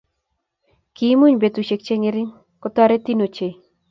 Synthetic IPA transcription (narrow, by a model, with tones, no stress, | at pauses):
ki˦mu˦ɲbe˨t̪u˨ʃe˨k̚t͡ʃe˦ŋɪ˦ɾɪ˦ŋ | kɔ˦t̪ɔ˦ɾe˦t̪i˦no˨t͡ʃe˨